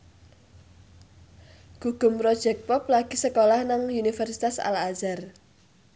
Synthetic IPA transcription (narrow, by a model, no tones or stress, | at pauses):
ɡ̥uɡ̥ʊ̤mpɾɔd̥ʒ̥ɛk̚pɔp̚laɡ̥i̤səkolahnaŋunifɛrsit̪asa̰lazar